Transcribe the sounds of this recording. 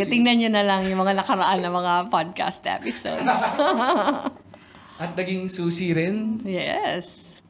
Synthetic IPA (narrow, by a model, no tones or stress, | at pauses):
ɐt̪ɪŋnɐnɲonɐlɐŋjʊŋmɐŋanɐkɐɾɐʔanːɐŋmɐŋapad̪̚ka̰st̪ʔɛ̰pɪso̰wd̪s | ʔɐt̪̚nɐɡiŋsuːsiɾɪnjɛ̰s